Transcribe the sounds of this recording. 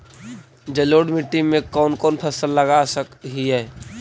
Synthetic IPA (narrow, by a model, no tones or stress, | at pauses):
d͡ʒəloːɖmiʈːimẽkɔːnkɔːnpʰəsəlːəɡasəkɦiɦɛː